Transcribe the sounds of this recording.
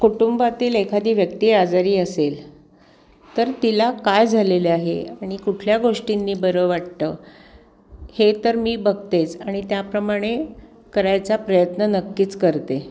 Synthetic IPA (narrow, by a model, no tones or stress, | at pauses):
kuʈumbat̪iːlekʰad̪iːʋjək̚t̪iːɾad͡zaɾiːəsel | t̪əɾt̪ilakajd͡zʱaleleaɦḛaɽ̃ikuʈʰljaɡoʂʈinːiːbəɾəʋaʈt̪əː | het̪əɾmiːbəɡ̚t̪et͡saɽ̃it̪japɾəmaɽ̃e | kəɾajt͡sapɾəjət̪nənəkːiːt͡skəɾt̪e